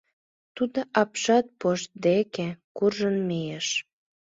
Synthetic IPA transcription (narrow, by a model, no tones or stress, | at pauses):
t̪ud̪oʔɑpʃɑt̪̚poʃt̪̚d̪ekekurʒənmejeʃ